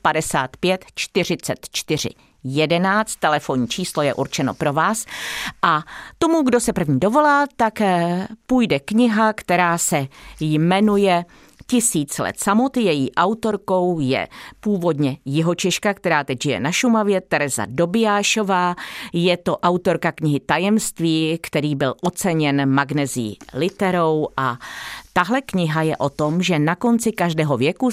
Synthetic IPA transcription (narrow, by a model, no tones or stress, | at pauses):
padɛsa̰ːt̪pjɛt̪t͡ʃt̪ɪr̝ɪt͡sɛt̪t͡ʃt̪ɪr̝ɪ̰ | jɛdɛnaːt͡st̪t̪ːɛlɛfo̞ɲiːt͡ʃiːslo̞jɛ̰ʔuɾt͡ʃɛno̞̰pɾo̞vaːsʔat̪o̞muɡdo̞sɛpr̩vɲiːdo̞vo̞laːt̪akpuːjdɛkɲɪɦakt̪ɛɾaːsɛjmɛnujɛ | cɪsiːt͡slɛ̰t̪samo̞t̪jɛjiːʔawt̪o̞ɾko̞wjɛ̰puːvo̞dɲɛjɪɦo̞t͡ʃɛʃkakt̪ɛɾaːt̪ɛɟʒɪjɛ̰naʃumavjɛt̪ɛɾɛza̰do̞bɪjaːʃo̞vaːjɛt̪o̞ʔawt̪o̞ɾkakɲɪɦɪt̪ajɛmst̪viːkt̪ɛɾiːbɪlʔo̞t͡sɛɲɛnmaɡnɛziḭlɪt̪ɛɾo̞wʔat̪aɦlɛkɲɪɦajɛʔo̞t̪o̞mʒɛnako̞nt͡sɪkaʒdɛːɦo̞vjɛku